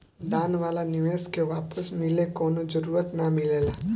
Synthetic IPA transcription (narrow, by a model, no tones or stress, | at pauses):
d̪ãːnʋaːlanɪʋeːskeʋaːpəsmɪlekoːnod͡ʒəɾuːɾət̪namɪleːlaː